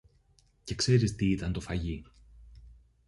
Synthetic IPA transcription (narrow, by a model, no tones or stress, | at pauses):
ce̞kse̞ɾist̪iit̪ɐnt̪o̞fɐʝi